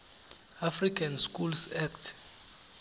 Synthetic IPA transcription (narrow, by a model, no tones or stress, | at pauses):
afrikʰanskʼulsaktʰ